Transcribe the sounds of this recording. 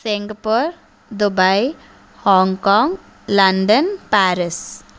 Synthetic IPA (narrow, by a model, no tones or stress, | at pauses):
sɪŋɡpoɾ | d̪ubai | hɔ̃ːŋɡkɔ̃ːŋɡ | lɐ̃ɳɖənpɛːɾɪs